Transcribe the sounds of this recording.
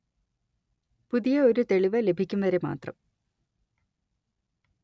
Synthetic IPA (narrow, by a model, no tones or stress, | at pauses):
puðijɐo̞ɾut̪e̞ɭiʋɐle̞bʱikʲːumʋɐɾe̞ma̰ːt̪rɐ̰m